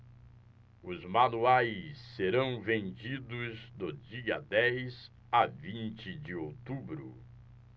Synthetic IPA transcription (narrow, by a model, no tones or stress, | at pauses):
ʊzmanuajsːeɾɐ̃w̃vẽnd͡ʒid̪ʊzd̪ʊd͡ʒiɐ̰d̪ɛjz | avĩnt͡ʃɪd͡ʒɪowt̪ubɾʊ̰